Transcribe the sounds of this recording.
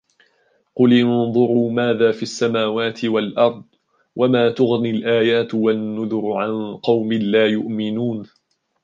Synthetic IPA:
qʊlʔɪnðˤʊɾuːmaːðaːfiːʔasːamaːwaːt̪ʰɪwalʔɑɾˤd̪ˤ | wʔamaːt̪ʊɣnilʔaːjaːt̪wanːʊðʊɾʊʕanqɑwmɪlaːjʊʔmɪnuːn

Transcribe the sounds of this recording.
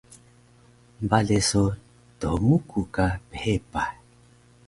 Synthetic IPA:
mbaleso | t̪omukʰukaphepa

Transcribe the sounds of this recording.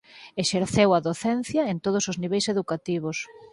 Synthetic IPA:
eʃeɾθewɐðoθɛnθjɐent̪oð̞osozniβejseðukat̪iβ̞os

